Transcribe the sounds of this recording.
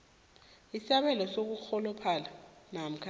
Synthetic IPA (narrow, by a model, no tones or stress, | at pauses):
isaɓɛlɔsok̬uk͡xʰɔlɔpʰalanam̩kʰa